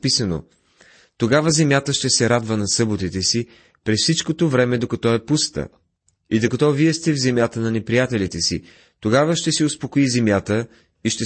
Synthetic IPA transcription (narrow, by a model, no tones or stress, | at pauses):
pisəno̰ | t̪oɡavəzɛmʲjat̪əʃt̪ɛsɛɾad̪vənɐsɤbot̪it̪ɛsi | pɾɛsfsit͡ʃkot̪ovɾɛmɛd̪okɐt̪ɔɛpust̪ə̰ | id̪okɐt̪ɔviɛst̪ɛvzɛmjat̪ənɐnɛpɾijat̪ɛlit̪ɛsḭ | t̪oɡavəʃt̪ɛsiospokoizɛmjat̪ə | iʃt̪ɛ